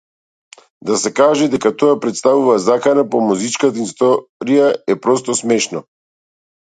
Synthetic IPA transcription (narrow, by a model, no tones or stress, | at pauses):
d̪asɛkaʒɛd̪ɛkat̪ɔapɾɛt̪st̪avuvazakanapɔmuzit͡ʃkat̪aist̪ɔɾijaɛpɾɔst̪ɔsmɛʃnɔ